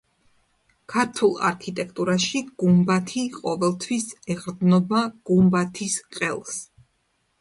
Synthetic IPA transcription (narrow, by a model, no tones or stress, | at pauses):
kʰaɾt̪ʰulˠa̰ɾkʰit̪ʼɛkʰt̪ʼuɾaʃiɡ̥umbat̪ʰiqʼɔvɛlˠt̪ʰwisɛʁɾd̪nɔbaɡ̥umbat̪ʰisqʼɛlˠs